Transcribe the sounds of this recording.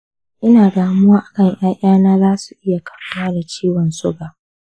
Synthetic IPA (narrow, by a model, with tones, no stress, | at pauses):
ʔɪ˦naː˨ɡaː˨mʊ˦aː˦ʔa˨kɐ˦ŋj̰aː˦ʔʲaː˦naː˦zaː˦su˨ʔɪ˦ja˨kḁ˨ɸʊ˦waː˦da˨t͡ʃiː˦wɔ˨nsʊ˦ɡaː˨ʔ